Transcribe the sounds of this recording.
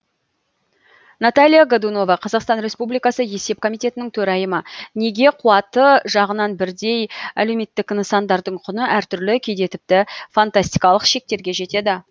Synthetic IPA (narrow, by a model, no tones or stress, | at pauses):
nat̪alʲijaɡod̪uno̞vɑqʰɑzɑqst̪ɑnɾe̞spublijkɑsəje̞se̞p̚kʰo̞mijt̪ʲe̞t̪ɪnɪŋt̪ʰɵɾɑjəməne̞ɡʲe̞qʰuɑt̪əʒɑʁənɑnbɪɾd̪e̞jæleme̞t̪ːɪkinsɑnd̪ɑɾd̪əɴqʰʊnəʔæɾt̪ʰʏɾlɪkʲʰe̞jd̪e̞t̪ɪp̚t̪ɪfant̪asʲt̪ijkɑlˠəqʃe̞k̚t̪e̞ɾɡʲe̞ʒe̞t̪e̞d̪ɪ